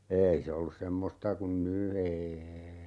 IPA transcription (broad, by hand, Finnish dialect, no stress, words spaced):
eːi se olːus semːostɑ kun ny eːei